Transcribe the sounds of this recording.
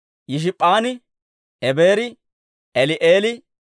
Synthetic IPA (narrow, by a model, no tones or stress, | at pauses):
jɪʃ̬ɪpʼːaːnɪ | ɛbeːɾɪ | ɛlɪʔeːlɪ